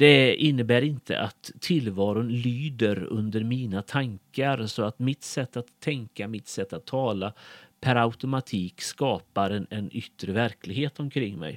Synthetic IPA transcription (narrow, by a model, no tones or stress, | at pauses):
d̪̥ɛɪnːəbæːɾɪnt̪ʰə̰ʔa̰t̪ʰːɪlvɑːɾʊnlyːd̪əɾɵ̰nd̪əɾmiːnat̪ʰaŋkaɾsɔat̪mɪt̪sɛt̪ːat̪ʰːɛŋkamɪt̪sɛt̪ːat̪ʰːɑːlapʰæɾaʊt̪ʊmat̪ʰiːkskɑːpaɾɛnɛnʏ̰t̪ːɾəvæɾklɪɡɦeːt̪ɔmkʰɾɪŋːmɛ̰j